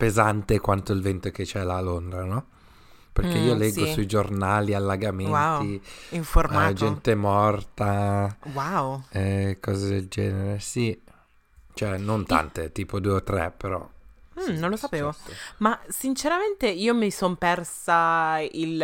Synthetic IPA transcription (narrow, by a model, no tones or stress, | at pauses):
pezant̪ekwant̪oilvent̪ok̟et͡ʃɛlaːlond̪ɾanɔ | perkkeiːoleɡsːossuid͡ʒornaːlialːaɡamenwatw̪iiɱformad͡ʒɛnt̪emɔrt̪awawɛkʰɔːzed̪eld͡ʒɛːneɾesi | t͡ʃoɛnːont̪a̰nt̪et̪iːpod̪uːeot̪ːɾɛ̰peɾɔ̰m̩nõnlosapeːvomasint͡ʃeɾament̪eiːomisompɛrsail